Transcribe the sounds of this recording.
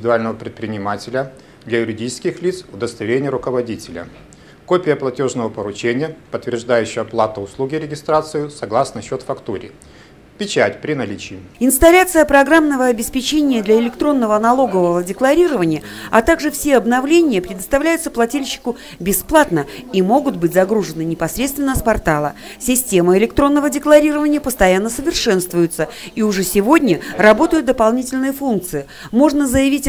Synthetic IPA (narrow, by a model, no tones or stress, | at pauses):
ɪd̪ʊalʲnəvəpɾʲɪt̪̚pɾʲɪnʲɪmatʲɪlʲə | d̪lʲɐjʊɾʲɪdʲit͡ɕɪ̥skʲɪxlʲit̪sʊd̪əst̪ɐɪɾʲenʲɪjəɾʊkəvɐdʲitʲɪlʲə̰ | kopʲɪjəplˠɐtʲo̞ʐnəvəpəɾʊt͡ɕenʲɪjəpət̪ːvʲɪrʐd̪ajʉɕːɪjəplˠat̪əʊslˠuɡʲɪɾʲɪɡʲɪst̪ɾat̪sɨɪsɐɡlˠasnəɕːo̞t̪fɐkt̪uɾʲɪ̰ | pʲɪt͡ɕætʲpɾʲɪnɐlʲit͡ɕɪɪɪnst̪ɐlʲat̪sɨjəpɾɐɡɾamnəvəɐbʲɪspʲɪt͡ɕenʲɪjəd̪lʲɐɪlʲɪkt̪ɾo̞nːəvənɐlˠo̞ɡəvəvədʲɪklˠɐɾʲiɾəvənʲɪjəɐ̰t̪aɡʐɨfsʲeɐbnɐvlʲenʲɪjəpɾʲɪd̪əst̪ɐvlʲæjʊt̪səplˠɐtʲilʲɕːɪ̥kʊ | bʲɪsplˠat̪nəimo̞ɡʊt̪̚bɨtʲzɐɡɾuʐɨnɨnʲɪpɐsɾʲet̪st̪vʲɪnːəspɐrt̪alˠə̰ | sʲɪsʲtʲemɨɪlʲɪkt̪ɾo̞nːəvədʲɪklˠɐɾʲiɾəvənʲɪjəpəst̪ɐjanːəsəvʲɪrʂɛnst̪vʊjʊt̪səiʊʐɛsʲɪvo̞dʲnʲərɐbo̞t̪əjɪt̪̚d̪əpalˠnʲitʲɪlʲnɨjəfunk̚t̪sɨɪ | mo̞ʐnəzəjɪvʲitʲ